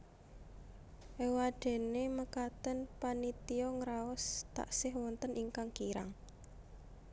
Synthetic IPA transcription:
ʔewaɖ̥e̤neməkat̪ənpanit̪iɔŋɾaɔst̪a̰ʔsɪhwɔnt̪ənʔiŋkaŋkiɾa̰ŋ

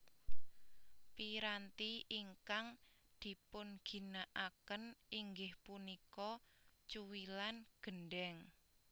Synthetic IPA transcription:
piɾant̪iʔiŋkaŋd̪̥i̤pʊnɡ̥i̤naʔakəniŋɡɪhpunikɔt͡ʃuwilanɡ̥ənɖɛŋ

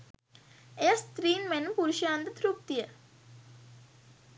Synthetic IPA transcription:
ejast̪ɾiːnmenmpuɾuʃaːnd̪ət̪ʰɾuk̚t̪ijə

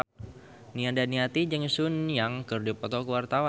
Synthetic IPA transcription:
niandaniat̪id͡ʒəŋsʊnjaŋkərdipɔt̪ɔkəwart̪awa

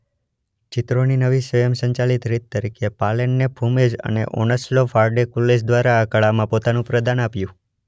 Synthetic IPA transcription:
t͡ʃɪt̪ɾoninəʋisʋəjəmsə̃ɲt͡ʃalit̪ɾit̪ːəɾikʰepaleɳːepʰumed͡ʒə̰nḛʔo̰nəslofaɾɖekulːes̬d̪ʋaɾaːkəɭamãpot̪anũpɾəd̪anapjũ

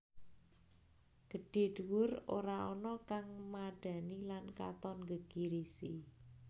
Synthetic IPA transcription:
ɡ̥əɖ̥e̤ɖ̥uwʊro̰ɾaɔnɔkaŋmaɖ̥a̤nilanka̰t̪ɔnɡəɡ̥iɾisi

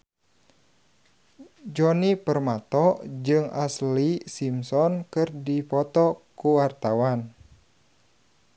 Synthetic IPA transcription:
d͡ʒɔnipərmat̪ɔd͡ʒɨŋaslisimsɔnkɨrdipɔt̪ɔkuwart̪awan

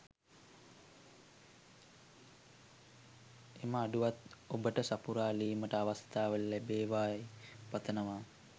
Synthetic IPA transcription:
eməːɖuʋat̪obəʈəsapuɾaːliːməʈəaʋast̪aːʋəllæbeːʋaːepɐt̪ənəʋaː

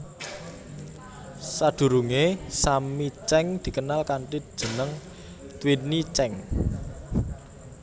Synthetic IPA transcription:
sad̪̥ṳɾuŋesamit͡ʃɛŋd̪̥i̤kənalkaɳʈi̥ʒ̥ə̤nəŋ | t̪winit͡ʃɛŋ

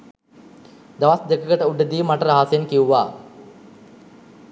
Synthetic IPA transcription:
d̪aʋasd̪ekəkəʈəuɖəd̪iːmaʈəɾaɦasenkiuʋaː

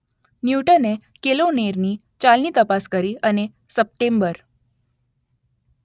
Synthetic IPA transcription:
njuʈənekeloneɾniː | t͡ɕalniːt̪əpaskəɾiːəne | səp̚ʈembəɾ

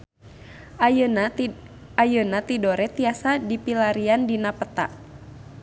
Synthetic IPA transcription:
ajənat̪idoɾɛt̪iasadipilaɾiandinapət̪a̰ʔ

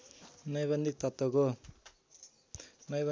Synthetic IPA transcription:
nʌjbʌnd̪ʱik̚t̪ʌt̪ːwʌko | nʌjbʌ

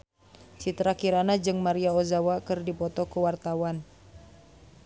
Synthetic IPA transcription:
sit̪ɾakiɾanad͡ʒɨŋmaɾiaozawakɨrdipɔt̪ɔkuwart̪awan

